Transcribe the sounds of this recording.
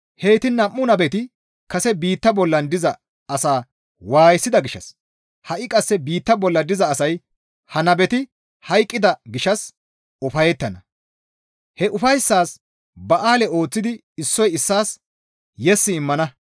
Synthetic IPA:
heːt̪ɪnːɐmːʊnɐbɛt̪ɪ | kɐsɛbiːt̪ːɐbɔlːɐnd̪ɪzɐ | ɐsaː | waːjsːɪd̪ɐɡɪʃɐ̰s | hɐʔɪkʼɐsːɛbiːt̪ːɐbɔlːɐd̪ɪzɐːsɐj | hɐnɐbɛt̪ɪ | hɐjkʼːɪd̪ɐɡɪʃɐs | ɔfɐjɛt̪ːɐnɐ | hɛʔʊfɐjsːaːs | bɐʔaːlɛo̞ːt͡sːɪd̪ɪ | ɪsːɔjɪsːaːs | jɛsːɪːmːɐnɐ

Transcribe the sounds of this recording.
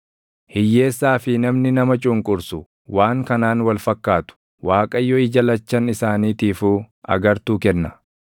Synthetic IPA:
hɪjːe̞ːsːaːfɪnɐmnɪnɐmɐt͡ʃʼʊŋkʼʊɾsʊ | waːŋkɐnaːnwɐlfɐkːaːt̪ʊ̥ | waːkʼɐjːɔɪd͡ʒɐlɐt͡ʃːɐnɪsaːniːt̪iːfuːɐ̰ɡɐɾt̪uːkɛnːɐ

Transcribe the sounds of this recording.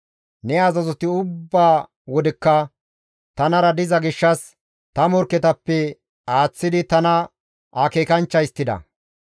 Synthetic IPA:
nɛɐzɐzɔt̪ɪʊbːaː | wɔd̪ɪkːɐ | t̪ɐnɐɾɐd̪ɪzɐɡɪʃːɐs | t̪ɐmɔɾkɛt̪ɐpːɛ | aːt͡sːɪd̪ɪt̪ɐnɐ | akeːkɐnt͡ʃːɐjɪst̪ːɪd̪ɐ̰

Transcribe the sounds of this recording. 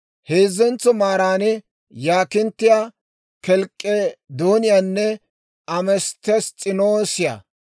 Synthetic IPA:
heːzːɛnt͡sːɔmaːɾaːnɛ | jaːkɪnt̪ːɪja | kɛlkʼːɛd̪oːnɪjaːnːɛ | ɐmɛst̪ːɛst͡sʼɪnoːsɪja̰

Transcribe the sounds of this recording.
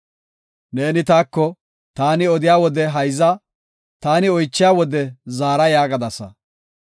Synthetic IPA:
ne̞ːnɪt̪aːkːɔ | t̪aːnɪɔd̪ɪjaːwɔd̪ɛɦɐjzɐ | t̪aːnɪɔjt͡ʃːɪjaːwɔd̪ɛzaːɾɐjaːɡɐd̪ɐsɐ̰

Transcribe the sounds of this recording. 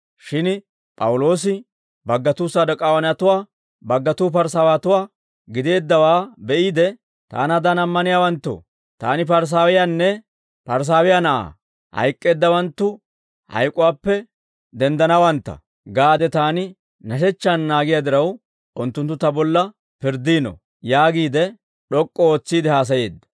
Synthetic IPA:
ʃɪn | pʼɐwʊlo̞ːs̬ɪ | bɐɡːɐt̪uːsɐd̪ɐkʼaːwɐnɐt̪ʊwaː | bɐɡːɐt̪uːp̬ɐɾsaːwaːt̪ʊwaː | ɡɪd̪e̞ːd̪ːɐwaːbɛʔiːd̪ɛ | t̪a̰ːnɐd̪ɐnɐmːɐnɪjaːwɐnt̪ːʊ̰ | t̪a̰ːnɪpɐɾs̬aːwɪjanːɛ | pɐɾs̬aːwɪjanɐʔa̰ː | hɐ̰jkʼːe̞ːd̪ːɐwɐnt̪ːʊ | hɐ̰jkʼːʊwaːpːɛ | d̪ɛnd̪ɐnɐwɐnt̪ːɐ̰ | ɡaːd̪ɛt̪aːnɪ | nɐʃɛt͡ʃːanːaːɡɪjad̪ɪɾɐw | ʔʊnt̪ːʊnt̪ːʊt̪ɐbɔlːɐ | pɪɾd̪iːnɔ̰ | jaːɡiːd̪ɛ | ɗɔkʼːɔoːt͡sːiːd̪ɛhaːs̬ɐje̞ːd̪ːɐ̥

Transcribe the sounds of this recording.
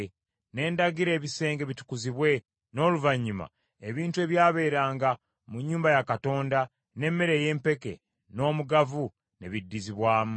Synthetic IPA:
ne̞ːndaɡiɾe̞ːβise̞ːŋɡe̞βitu̥kuziβwe̞ | no̞ːluvaɲːuma̰ | eβiːntue̞βjaːβe̞ːɾaːŋɡa | muɲːuːmbajakato̞ːnda | ne̞mːe̞ɾe̞ːje̞ːmpe̞ke̞̰ | no̞ːmuɡavu | ne̞̰βidːiziβwaːmu

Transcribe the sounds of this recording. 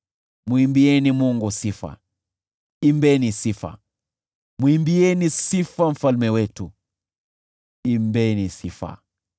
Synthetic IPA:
muimbiɛnimuŋɡusifa̰ | imbɛnisifa̰ | muimbiɛnisifam̩falmɛwɛtu | imbɛnisifa̰

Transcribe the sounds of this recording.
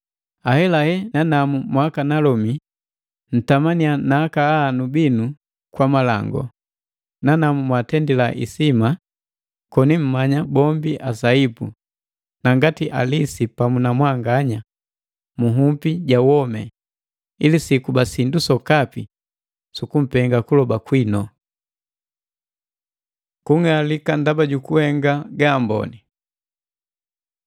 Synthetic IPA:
ahɛlahɛnanamumwakanalɔmi | n̩tamanianaːkaːnubinu | kwamala̰ŋɡɔ̰ | nanamumwatɛndilaʔḭsima | kɔnim̩maɲabɔmbiʔasaipu | naŋɡatiʔa̰lisipamunamwaŋɡaɲa | muɦumpiɟawɔmɛ | ilisikubasindusɔkapi | sukum̩pɛŋɡakulɔbakwinɔ | kuŋalikandabaɟukuhɛŋɡaɡambɔ̰ni

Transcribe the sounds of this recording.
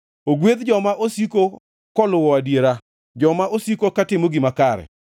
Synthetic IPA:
oɡwed̪d͡ʒɔmaʔosiko | kɔlʊwɔadjeɾa | d͡ʒɔmaʔosikokatɪmoɡɪmakaɾɛ̰

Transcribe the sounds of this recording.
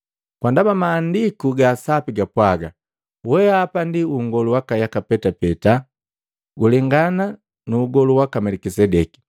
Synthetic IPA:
kwandabamaːndikuɡaːsapiɡapwaɡa̰ | wɛaapandiuŋɡɔluwakajakapɛtapɛta | ɡulɛŋɡana | nuːɡɔluwakamɛlikisɛdɛki̥

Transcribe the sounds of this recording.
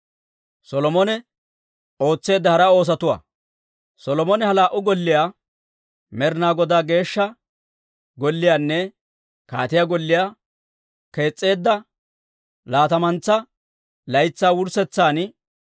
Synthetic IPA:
sɔlɔmɔnɛ | o̞ːt͡sːe̞ːd̪ːɐhɐɾɐo̞ːs̬ɐt̪ʊwa̰ː | sɔlɔmɔnɛhɐlaːʔʊɡɔlːɪjaː | mɛɾnaːɡɔd̪aːɡe̞ːʃːɐ | ɡɔlːɪjaːnːɛ | ka̰ːt̪ɪjaɡɔlːɪjaː | ke̞ːt͡sʼːe̞ːd̪ːɐ | laːt̪ɐmɐnt͡sːɐ | lɐjt͡sːaːwʊɾsɛt͡sːaːn

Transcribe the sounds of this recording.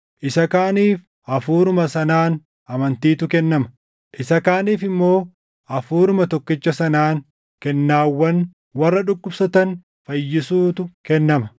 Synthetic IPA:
ʔɪsɐkaːniːf | ʔɐfuːɾʊmɐsɐnaːn | ʔɐmɐnt̪iːt̪ʊkɛnːɐmɐ̥ | ʔɪsɐkaːniːfɪmːo̞ː | ʔɐfuːɾʊmɐt̪ɔkːɪt͡ʃːɐsɐnaːn | kɛnːaːwːɐn | wɐrːɐᶑʊkːʊpsɐt̪ɐn | fɐjːɪsuːt̪ʊkɛnːɐmɐ

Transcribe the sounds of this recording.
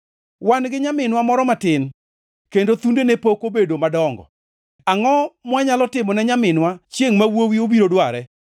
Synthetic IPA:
wanɡɪɲamɪnwamɔɾɔmatɪn | kendot̪undenepokobedomadɔŋɡɔ̰ | aŋɔmwaɲalɔtɪmɔnɛɲamɪnwat͡ʃjeŋmawowiobiɾodwaɾɛ

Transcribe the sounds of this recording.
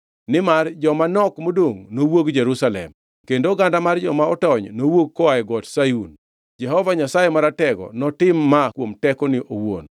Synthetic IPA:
nɪmard͡ʒɔmanɔkmodoŋnowoɡd͡ʒɛɾusalɛ̰m | kendoɡandamard͡ʒɔmaɔtɔɲnowoɡ̚kːɔaɛɡɔtsajun | d͡ʒɛɦɔvaɲasajemaɾatɛɡɔ̰nɔtɪmːakwomtɛkɔnɪʔowo̰n

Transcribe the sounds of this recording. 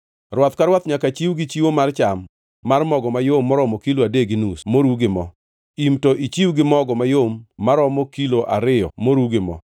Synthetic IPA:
rwɔt̪kaɾwat̪ɲakat͡ʃiwɡɪt͡ʃiwomart͡ʃamː | armɔɡɔmajomːɔɾɔmɔkiloadeɡinusmoɾuɡɪmɔ̰ | imtɔʔit͡ʃiwɡɪmɔɡɔmajomːaɾɔmɔkiloʔa̰ɾɪjɔmoɾuɡɪmɔ̰

